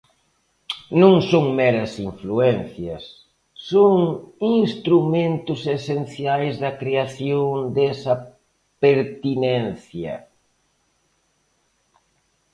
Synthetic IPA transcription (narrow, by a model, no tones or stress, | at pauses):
nõŋsõŋmɛɾɐsiɱfluɛn̟θjɐsː | oŋinst̪ɾumẽnt̪ʊsesen̟θjajzðɐkɾeaθjoŋd̪ɛsɐ | peɾt̪inɛnθjɐ̰